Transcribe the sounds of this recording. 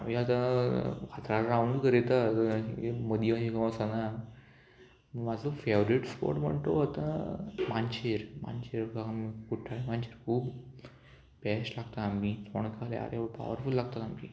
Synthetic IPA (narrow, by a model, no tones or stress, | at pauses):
amiat̪ãkʰat̪ɾalɾawɳɖkəɾet̪atməd̪imad͡ʑikəməsana | məɡmad͡zəfeʋɾiʈspo̰ɾʈm̤ə̰ɳt̪oat̪ã̰maɲt͡ɕeɾma̰nt͡ɕeɾkaamikuʈʰːaɭemant͡ɕeɾkʰuːb | bɛɕlaɡt̪aamit͡soɳkalḛa̰ɾepa̰ʋə̰ɾfulːaɡ̚t̪at̪amḭː